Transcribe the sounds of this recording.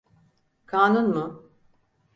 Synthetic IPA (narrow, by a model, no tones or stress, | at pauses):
kʰaːnunmʊ